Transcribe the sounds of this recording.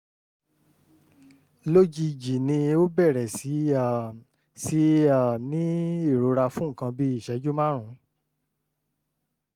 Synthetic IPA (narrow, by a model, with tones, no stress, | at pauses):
lo˦d͡ʒi˧d͡ʒi˨nĩ˧o˦bɛ˦˨ɾɛ˨si˨˦˨ | si˨˦a˦˨nĩ˨˦i˦˨ɾo˨˧˦ɾa˧fũ˨˦ŋ̩˨kã˧bi˦i˦˨ʃɛ˨˦d͡ʒu˦mã˦ɾ̃ũ˨˦